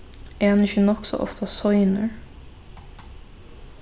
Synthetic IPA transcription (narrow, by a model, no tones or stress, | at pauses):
ɛhanɪçənɔksɔ̰ʔɔ̰ft̪ʰasɔjnəɹ